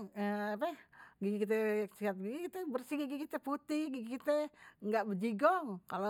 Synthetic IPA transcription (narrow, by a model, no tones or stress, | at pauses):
əapɛhɡiɡikit̪ɛksiɦat̪̚ɡiɡikit̪ɛbərsihɡiɡikit̪ɛput̪ɪhɡiɡikit̪ɛŋɡaʔbəd͡ʒiɡɔŋkalo